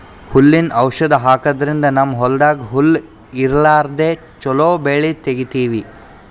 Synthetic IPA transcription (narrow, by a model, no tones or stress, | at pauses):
hulːinɐwʃɐd̪ɐɦaːkɐd̪ɐɾind̪ɐnamːɐɦɔld̪aːɡiɦulː | iɾlaːɾd̪e | t͡ʃɔloːbeːɭit̪eɡit̪iːʋi